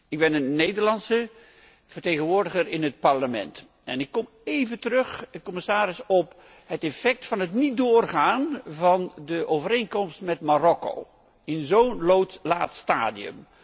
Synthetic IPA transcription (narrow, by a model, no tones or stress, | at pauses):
ɪɡ̚bɛnənːejdəɹlɑnsə | v̥ərtejχənʋʊːɹdəχəɾɪnɦət̚pɑɹləmɛ̰nt | ɛnɪkːɔm | ejvəntərɵχkɔmɪsaːɾɪsɔp | ɦətɛfɛk̚tfɑnɦətnitdʊːrχaːnvɑndəʔowvəɾejnkɔmstmɛtmarɔko̰w | ɪnzownlowtla̰ːtsta̰ːdiə̰m